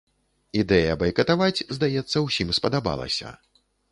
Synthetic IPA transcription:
id̪ɛjɐbɐjkɐt̪avat͡sʲzd̪ajɛt̪sːɐwsʲimspɐd̪aba̰lˠɐ̰sʲɐ̰

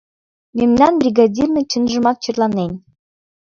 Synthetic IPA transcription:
memnɑnbrʲiɡɑdʲirnɤ̆t͡ɕɘ̆nʲʒə̆mɑt̪̚t͡ɕɤ̆rlˠɑnenʲ

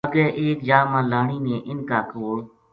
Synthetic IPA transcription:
əɡeːʔeːkjaːmãːlaːɳiːnẽːʔɪnkaːkoːl

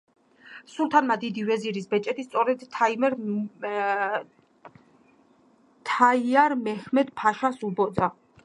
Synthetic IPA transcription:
sulˠt̪ʰanmad̪id̪ivɛziɾisbɛt͡ʃʼɛt̪ʰist̪sʼɔɾɛd̪ʰaimɛɾ | t̪ʰaiaɾmɛhmɛd̪pʰaʃasubɔd̪za

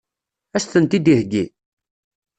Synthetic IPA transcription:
æsθənt̪id̪ihɡḭ

